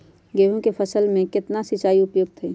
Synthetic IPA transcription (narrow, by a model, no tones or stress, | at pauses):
ɡeːɦõkepʰəsəlmẽkɪt̪nasɪt͡ʃaːiʊpjoːɡ̚t̪ʰɛː